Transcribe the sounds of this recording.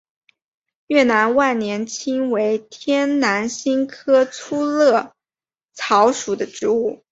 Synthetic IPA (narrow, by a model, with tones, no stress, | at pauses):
jɥɛ˥˩na˧˥nwa˥˩nnjɛ˧˥nt͡ɕʰi˥ŋwe˧˥ɪt̪ʰjɛ˥nna˧˥nɕi˥ŋkʰɤ˥t͡sʰu˥lɤ˥˩ | t͡sʰɑ˧˥ʊʂu˨˩d̪ə˦ʈ͡ʂɻ̩˧˥u˥˩